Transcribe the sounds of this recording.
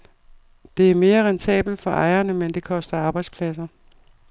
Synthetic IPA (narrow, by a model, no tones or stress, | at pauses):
d̥e̝æɐme̝ːɐʁɛnt͡sʰɛ̰ːb̥l̩d̥fɒ̽ʔɑ̈ɪɐnəmend̥e̝kʰɒ̽sd̥ɐɑ̈ːb̥ɑ̈ɪd̥spʰlæsɐ